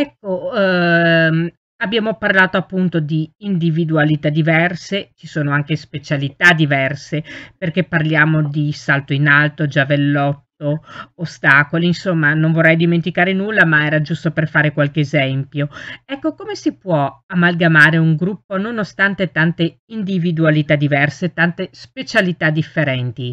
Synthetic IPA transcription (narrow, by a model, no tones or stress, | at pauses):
ɛkːo | abːjaːmoparlaːt̪oapːunt̪od̪iːnd̪ivid̪ualit̪ad̪ːivɛrset͡ʃisoːnoaŋkespet͡ʃalit̪ad̪ivɛrseperk̟epːarljaːmod̪isalt̪oinalt̪od͡ʒavelːɔt̪ːoːst̪aːkoliːnsomːanoɱvorːɛjd̪iment̪ikaːɾenulːamaɛːɾad͡ʒust̪operfaːɾekwalkeːzɛmpjoɛkːokomesipwɔamːalɡamaːɾeuŋɡɾupːononost̪ant̪et̪ant̪eind̪ivid̪ualit̪ad̪ivɛrset̪ant̪espet͡ʃalit̪ad̪ifːeɾɛnt̪i